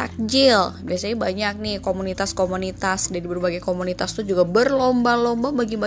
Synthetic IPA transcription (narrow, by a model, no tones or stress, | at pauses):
a̰k̚d͡ʒɪlbiasaɲabaɲak̚nɪhkomunit̪askomunit̪asdadibərbaɡajkomunit̪ast̪ud͡ʒuɡabərlombalombabaɡimba